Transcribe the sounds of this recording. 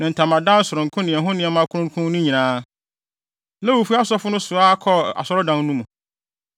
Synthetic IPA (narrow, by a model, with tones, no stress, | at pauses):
nɪ̃˨n̩˨tʰã˨mã˨dã˦n̩˦sʊ˨ɾʊ̃˨ŋ˨kʰʊ̃˦nɪ̃˨ɛ˨ɦʊ̃˦nɪ̃˨ɛ˨mã˦kʰʊ˦ɾʊ̃˦kʰʊ̃˦nʊ̃˦ɲĩ˨nãː˦ | lɛ˦wu˨fu˦a˦sɔ˦fʊ˦nʊ̃˦sʊ˨a˦kʰɔ˦a̰˨sɔ˦ɾɔ˦dã˨n˦nũ˦mũ˨